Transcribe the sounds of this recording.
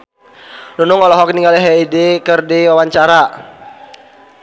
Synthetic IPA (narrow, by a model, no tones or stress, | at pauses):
nunʊŋɔlɔɦɔk̚niŋɡaliɦɛidekərdiwawaɲt͡ʃaɾa